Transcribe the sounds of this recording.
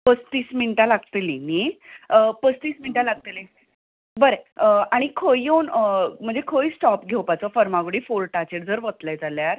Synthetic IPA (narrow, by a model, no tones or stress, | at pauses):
pəst̪iːsminʈalaɡt̪eliniəpəst̪iːsminʈalaɡ̚t̪elẽ | bəɾeəaɽ̃ikʰojonm̤əɳd͡zekʰoisʈɔpɡʱewpat͡səfəɾmaɡɽiːfolʈat͡ɕeʈd͡zəɾʋət̪lajd͡zaljaɾ